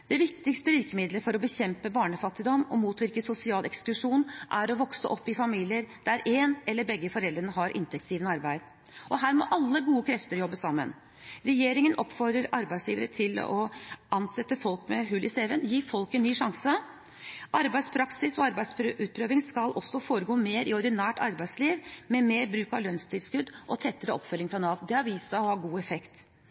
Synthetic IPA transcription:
d̪̥ɛʋɪk̚t̪ɪkst̪əʋɪɾkəmɪd̪ləfɔɾɔbəçɛmpəbɑːɳəfɑt̪ːɪd̪ɔmɔmuːt̪ʋɪɾkəsʊsɪɑːlʔɛksklʉʂuːnʔæɾɔʋɔksə̰ʔɔpːɪfɑmiːlɪəɾd̪̥æɾeːnɛlːəɾbɛɡːəfɔɾɛld̪ɾənəɦɑɾʔɪ̰nt̪ʰɛk̚t̪siːʋənəɑɾbæɪd̪ | ʔɔɦæːɾmɔ̰ʔɑlːəɡuːəkʰɾɛft̪əɾjɔbːəsɑmːə̰n | ɾɛjeːɾɪŋənʔɔpːfɔɾd̪ɾəɾɑ̰ɾbæɪsjiːʋəɾət̪ʰɪl̰ɔ̰ʔɑnsɛt̪ːəfɔlkmɛɦʉlːɪseːʋənjiːfɔlkənnːyːʂɑŋsə | ʔɑɾbæɪspʰɾɑksɪsɔɑɾbæɪspʰɾʔʉːt̪̚pʰɾøːʋɪŋskɑlʔɔsːɔfoːɾəɡoːmeːɾɪɔɾɖ̪ɪnæːʈɑɾbæɪsliːʋmɛmeːɾbɾʉːkɑʋlœnst̪ʰɪlskʉd̪ʔɔt̪ʰɛt̪ːəɾəɔpfœlːɪŋfɾɑnɑːʋ̪d̪ɛɑɾʋiːsəɔhɑːɡuːɛfɛkt̪

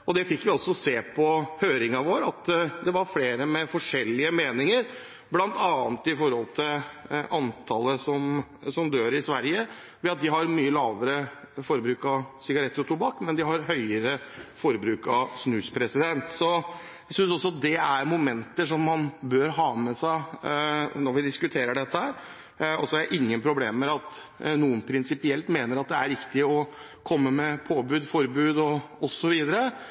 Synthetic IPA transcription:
ɔd̪ɛfɪkːʋɪɔsɔseːpʰɔhøːɾɪŋɑʋoːɾɑt̪d̪ɛʋɑɾfleːɾəmɛfɔʂɛlːɪəmeːnɪŋəɾ | blɑnt̪ɑːnət̪ɪfɔɾhɔlt̪ʰɪlʔɑnt̪ʰɑlːəsɔmsɔmd̪øːɾɪsʋæɾjə | ʋɛɑt̪̚d̪ɪɦɑɾmyːəlɑːʋəɾə | fɔɾbɾʉːkɑsɪɡɑɾɛt̪ːəɾɔt̪ʰubɑːkmɛnd̪ɪɦɑɾɦœʏəɾəfɔɾbɾʉːkɑsnʉːspʰɾɛsɪd̪ɛnt̪sɔ | sʏnsɔsːɔɑt̪̚d̪ɛæɾmʊmɛnt̪əʂɔmːɑnbøɾɦɑːmɛsæɪ | nɔɾʋɪd̪ɪskʉt̪ʰeːɾəɖɛt̪ːəhæːɾ | ɔsɔæɾjæʔɪŋːənpʰɾʊbleːmːɛɑt̪nuːənpʰɾɪnsɪpɪɛlt̪meːnəɾɑt̪̚d̪ɛæɾɪkt̪ɪɔ | kʰɔmːəmɛpʰoːbʉːd̪fɔɾbʉːd̪ɔɔsɔʋiːd̪əɾə

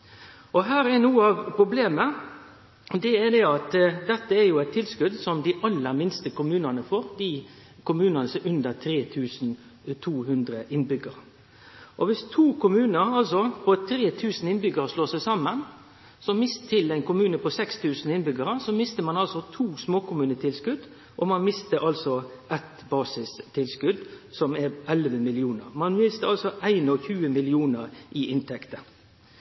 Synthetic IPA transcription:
ʔɔɦæːɾɛnuːəɑʋpɾʊbleːmə | d̪ɛɛd̪ɛɑt̪d̪ɛt̪ːəæɾjʊɛɪt̪ʰːɪlskʉd̪sɔmd̪ɪʔɑlːəɾmɪnst̪əkʊmʉːnənəfɔɾd̪i | kʰʊmʉːnɑnəsɛʉnd̪əɾt̪ʰɾeːt̪ʰʉːsn̩ | t̪ʰuːhʉnd̪ɾəʔɪnbʏɡəɾ | ʔɔʋɪst̪ʰuːkʰʊmʉːnəɾɑlsɔpʰɔt̪ʰɾeːt̪ʰʉːsn̩ɪnbʏɡəɾəʂloːsæɪsɑmːən | sɔmɪst̪ʰɪlæɪnkʰʊmʉːnəpʰɔsɛkst̪ʰʉːsn̩ɪnbʏɡəɾəsɔmɪst̪əmɑnɑlsɔt̪ʰuːsmoːkʊmʉːnət̪ʰɪlskʉd̪ | ʔɔmɑnmɪst̪əɾʔɑlsɔʔɛt̪bɑːsɪst̪ʰɪlskʉd̪sɔmɛɾʔɛlʋəmɪlɪuːnəɾmɑnmɪst̪əɾɑlsɔʔæɪnɔçʉːəmɪlɪuːnəɾʔɪʔɪnt̪ʰɛkt̪ə

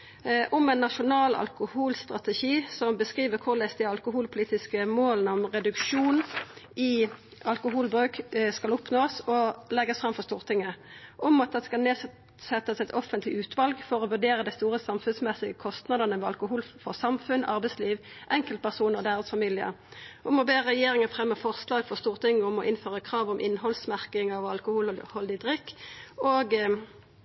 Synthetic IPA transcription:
ʔɔmɛɪnːɑʃʊnɑːlɑ̰lkʊhuːlst̪ʁɑt̪ɛʃiːsɔmbəskʁiːʋəɾkʰʊʁlɛsd̪ɪɑlkʊɦuːlpʰʊliːt̪ɪskəmoːlənəɔmʁɛd̪ʉkʃuːnɪ | ɑlkʊɦuːlbʁʉːkskɑlʊpnoːsɔlɛɡəsfʁɑmfɔʁst̪uːʁt̪ʰɪŋːəʔɔmɑt̪̚d̪ɛskɑlneː | sɛt̪ːəsɛt̪ɔfənt̪lɪʉːt̪ʰʋɑlɡfɔʁɔʋʉd̪eːʁəd̪æɪst̪uːʁəsɑmfʉnsmɛsɪɡəkʰɔst̪nɑd̪ənəmɛːɑlkʊɦuːlfɔʁsɑmfʉnɑ̰ʁbɛɪsliːʋʔɛŋkəlt̪̚pʰæʁsuːnəʁɔd̪æːʁət̪sfɑmiːlɪə̰ʁʔɔmɔbeːʁɛjeːɾɪŋəfʁɛmːəfɔʁslɑːɡfɔʁst̪uːʁt̪ʰɪŋːəɔmɔʔɪnføːʁəkʰʁɑːʋɔmʔɪnːhɔlsmæʁkɪŋɑʋɑlkʊhuːlhɔld̪ɪd̪ʁɪkːoːɡ

